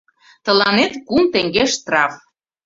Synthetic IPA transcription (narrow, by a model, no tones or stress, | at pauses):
t̪ə̆lɑnet̪kumt̪ĕŋɡeʃt̪rɑf